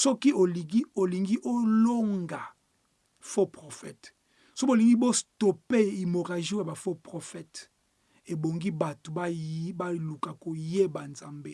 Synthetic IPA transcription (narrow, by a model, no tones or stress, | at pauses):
sɔkiʔoiɡoliŋɡiʔoloŋɡa | fopʁofɛt | sooliŋɡibostopeimoʁaʒojabafopʁofɛt | eboŋɡibatobabalukakojebanzambe